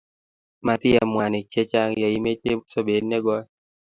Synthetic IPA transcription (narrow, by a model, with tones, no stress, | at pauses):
ma˨t̪ɪ˦ja˨mwa˨nɪ˨t͡ʃe˦t͡ʃa˦ŋja˨i˦me˦t͡ʃe˦so˦be˨dnɛ˦ɡɔ˦